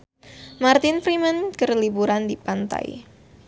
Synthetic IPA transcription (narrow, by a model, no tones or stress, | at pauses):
mart̪ɪnfɾimənkərlibuɾandipant̪a̰j̰